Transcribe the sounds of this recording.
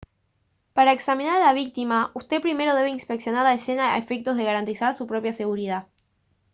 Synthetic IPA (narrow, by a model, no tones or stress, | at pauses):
paɾaeksamĩnaɾalaβ̞ik̚t̪imaust̪e̞pɾime̞ɾo̞ðe̞β̞einspeksjo̞naɾaese̞naa̰efek̚t̪o̞zðe̞ɣaɾant̪isaɾsupɾo̞pjase̞ɣuɾið̞a